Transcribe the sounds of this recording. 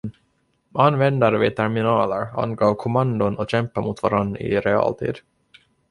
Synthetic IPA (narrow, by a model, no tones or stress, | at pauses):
anːvɛnd̪aɾəvɪt̪ʰɛɾmɪnɑːləɾa̰nɡoːkʰʊmand̪ʊnɔɕɛmpaɾmʊt̪vaɾanːɾ̰ɪ̰ɾɛɑ̰ːlt̪ʰḭːd̪